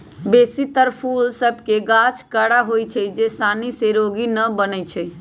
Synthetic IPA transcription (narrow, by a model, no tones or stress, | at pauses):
besit̪əɾpʰulsəbʱkeɡat͡ʃʰkəɽaɦojt͡ʃʰɛd͡ʒesaniseɾoɡinəbənət͡ʃʰɛ